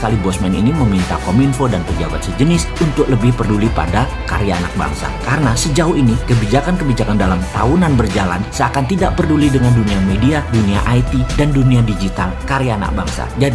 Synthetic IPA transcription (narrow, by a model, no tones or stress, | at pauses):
kalibɔsmɛnḭniməmint̪akominfodanpəd͡ʒabat̪̚səd͡ʒənɪsunt̪ʊk̚ləbɪhpərdulipa̰da | ka̰ɾjaːna̰k̚ba̰ŋsa̰kaɾənasəd͡ʒauhinikəbid͡ʒakankəbid͡ʒakandalamt̪a̰unanbərd͡ʒala̰nsəakant̪idaʔpərdulidəŋanduniamediadunia̰ʔajt̪idanduniadid͡ʒit̪alkaɾijaːna̰k̚baŋsa̰d͡ʒadi